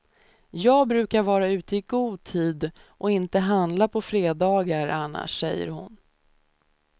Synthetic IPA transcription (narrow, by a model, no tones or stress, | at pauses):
jɑːɡ̚bɾʉ̟ːkaɾvɑːɾaʉ̟ːt̪əɪɡuːd̪̚t̪ʰiːd̪ʔɔɪnt̪əɦand̪lapʰɔfɾeːd̪ɑːɡaɾanːa̰ʂɛjːə̰ɾhʊ̰n